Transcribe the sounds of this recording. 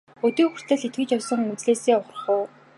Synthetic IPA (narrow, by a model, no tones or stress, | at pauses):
ɵt̪iːxur̥t̪ɘ̆ɮit̪̚ɡɘ̆t͡ɕɔwsɞ̆ŋɵt͡sɮeːseːʊχ̆χʊː